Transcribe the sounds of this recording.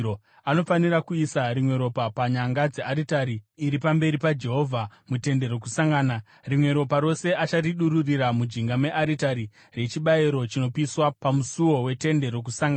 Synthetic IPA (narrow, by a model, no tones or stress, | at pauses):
o | ano̞fanirakuisaɾimwe̞ɾo̞papaɲaŋɡad͡ze̞ʔaɾitaɾiːɾipambe̞ɾipad͡ʒe̞ɦo̞vʱamute̞nde̞ɾo̞kusaŋɡaːna | rimwe̞ɾo̞paɾo̞se̞ʔat͡ʃariɗuɾuriɾamud͡ʒiŋɡame̞ʔaɾitaɾi | re̞t͡ʃiɓaiɾo̞t͡ʃino̞piswapamusuwo̞we̞te̞nde̞ɾo̞k̬usaŋɡa